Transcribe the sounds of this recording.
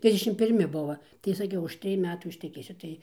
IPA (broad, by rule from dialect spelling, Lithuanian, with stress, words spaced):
ˈtʲrʲɪzʲdʲɛʃʲɪm pʲɪrʲˈmʲɪ ˈbʊʋɐ tɐɪ sɐˈkʲɛʊ ʊʃ ˈtʲrʲɪj ˈmʲæːtuː ɪʃʲtʲɛˈkʲeːsʲʊ ˈtɐɪ